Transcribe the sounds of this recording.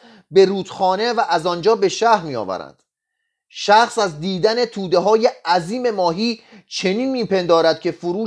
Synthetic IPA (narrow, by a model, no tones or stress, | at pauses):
be̞ɾuːd̪̥xɒːne̞væʔæzɒnd͡ʒɒːbe̞ʃæhɾmiːjɒ̰ːvæ̰ɾæ̰nd̪̥ | ʃæxsæzd̪iːd̪æne̞t̪ʰuːd̪e̞ɦɒːje̞æziːme̞mɒːɦiːt͡ʃʰe̞niːnmiːpe̞nd̪ɒːɾæd̪̥̚kʲcʰe̞foɾuː